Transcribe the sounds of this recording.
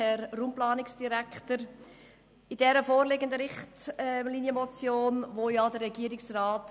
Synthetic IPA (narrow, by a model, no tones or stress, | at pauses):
ɛɾrumplɑːnɪksd̥iɾɛkχtəɾ | idɛɾəfoːɾlɪɡəndəɾɪχtlinjəmɔt͡sjoːnvoːjɑdəɾːɛɡiəɾɪksraːt